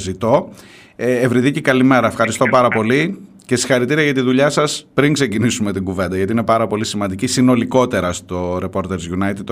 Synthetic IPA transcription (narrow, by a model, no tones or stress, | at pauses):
zit̪o̞ | evɾiðicekɐlime̞ɾɐefxɐɾist̪o̞pɐɾɐpo̞li | ce̞si̥xɐɾit̪iɾiɐʝɐt̪iðuʎɐsɐspɾiŋkse̞cinisume̞t̪iɡuve̞nd̪ɐʝɐt̪inepɐɾɐpo̞lisimɐnd̪icisino̞liko̞t̪e̞ɾɐst̪o̞ɾe̞po̞ɾt̪eɾzʝunɐjt̪id̪